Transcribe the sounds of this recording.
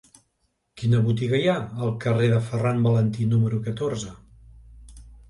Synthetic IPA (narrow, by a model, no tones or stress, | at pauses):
kinəβut̪iɣəjaəːlˠkəreðəfərambələnt̪inuməɾukət̪oɾzə